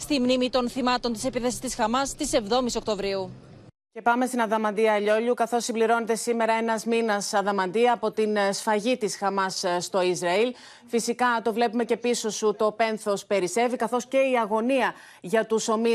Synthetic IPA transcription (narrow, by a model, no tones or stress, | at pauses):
st̪imnimit̪o̞nθimɐt̪o̞nt̪ise̞piθesi̥st̪isxɐmɐst̪ise̞vðo̞miso̞k̚t̪o̞vɾiu | ce̞pɐme̞st̪inɐðɐmɐnd̪iɐːʎo̞ʎukɐθo̞sːimbliɾo̞ne̞t̪e̞sime̞ɾɐe̞nɐzminɐsɐðɐmɐnd̪iɐːpo̞t̪insfɐʝit̪isxɐmɐsst̪o̞izɾɐil | fisikɐt̪o̞vle̞pume̞ce̞piso̞sut̪o̞pe̞nθo̞spe̞ɾise̞vikɐθo̞sce̞iɐɣo̞niɐ | ʝɐt̪uso̞mi